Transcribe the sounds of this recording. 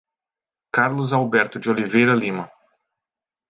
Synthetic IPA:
kaɾlʊzawbɛɾt̪ʊd͡ʒɪolivejɾɐlĩmɐ

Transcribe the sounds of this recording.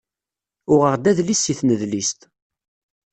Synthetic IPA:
ʊʁəʁd̪æðlisiθnəðlist̪

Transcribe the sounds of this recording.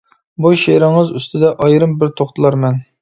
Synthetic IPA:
buʃeɾɪŋɨzyst̪ʰɪd̪ɛʔɑjɾɨmbɪɾt̪ʰoχt̪ʰɨlˠɑɾmɛn

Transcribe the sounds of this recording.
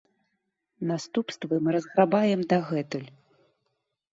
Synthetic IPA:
nast̪upst̪vɨmɨɾɐzɣɾabajɛmd̪aɣɛt̪ɨlʲ

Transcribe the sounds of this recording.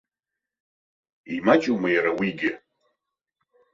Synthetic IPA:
imat͡ʃʼumajaɾawiɡʲɪ

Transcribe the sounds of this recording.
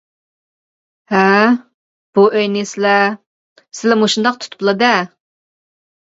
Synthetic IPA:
hæ | b̥uʔøjnɪsɪlɛ | sɪlɛmuʃund̪ɑq̚t̪ʰu̥t̪ʰʊ̥plˠɨd̪ɛ

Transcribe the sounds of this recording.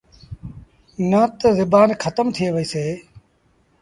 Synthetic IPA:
nət̪zɪbaːnkʰət̪əmt̪ʰɪeːʋəiːseː

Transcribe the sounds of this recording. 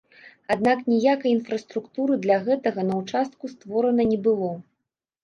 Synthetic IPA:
ad̪naknʲijakɐjinfɾɐst̪ɾukt̪uɾɨd̪lʲɐɣɛt̪ɐɣɐnɐwt͡ʂast̪̚kust̪vɔɾɐnɐnʲɛbɨlˠɔ

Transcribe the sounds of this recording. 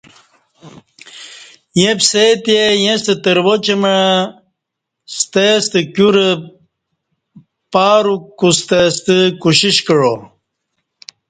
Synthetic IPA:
jẽbset̪ejẽst̪ət̪əɾwot͡ɕemə | st̪est̪əkuɾə | paːɾukust̪est̪əkuɕiɕkəɻo

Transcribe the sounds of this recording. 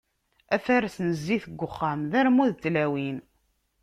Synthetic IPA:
æfæɾsnəzːiθəɡʷːʊχːamðæɾmuðt̪ːlæwin

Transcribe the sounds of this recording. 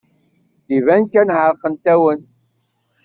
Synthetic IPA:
ivænkænʕəɾˤqənt̪æwən

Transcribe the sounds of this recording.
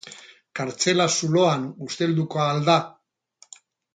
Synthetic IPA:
kaɾt͡se̞lasulo̞anust̪e̞ld̪uko̞aːld̪a

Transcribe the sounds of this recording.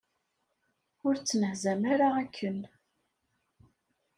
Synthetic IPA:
ʊɾt͡sːnəhzæmæɾaækʰːən

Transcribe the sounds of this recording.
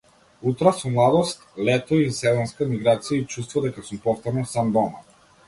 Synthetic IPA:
ut̪ɾasumlˠad̪ɔst̪lɛt̪ɔisɛzɔnskamiɡɾat̪sijait͡ʃust̪vɔd̪ɛkasumpɔft̪ɔɾnɔsamd̪ɔma

